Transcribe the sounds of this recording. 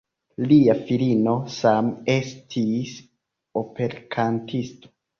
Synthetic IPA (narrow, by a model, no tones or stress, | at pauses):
liafilino̞same̞stʰis | o̞pe̞ɾkʰantʰisto̥